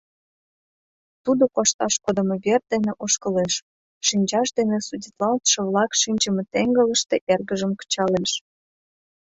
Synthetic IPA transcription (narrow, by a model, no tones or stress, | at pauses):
t̪ud̪okoʃt̪ɑʃkod̪ə̆meβer̚d̪eneʔoʃkə̆leʃː | inʲt͡ɕɑʃd̪enesudʲit̪lɑlt̪ʃɤ̆βlɑkʃinʲt͡ɕəmet̪eŋɡələ̆ʃt̪eʔerɣəʒəmkə̥t͡ɕɑleʃ